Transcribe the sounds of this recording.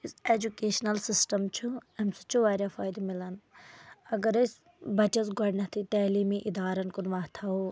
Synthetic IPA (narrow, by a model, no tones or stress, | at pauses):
iseːd͡ʒukeːʃnɐlsisʈɐmt͡ʃʰuɦɐmsɐ̥t͡ʃʰuʋaːɾafʰaːjd̪milɐn | ɐɡɐɾɐs | bɐt͡ʃɐsɡɔɽnɐt̪ʰit̪ɐːlimiʔid̪aːɾɐnkunʋaːɦt̪ʰao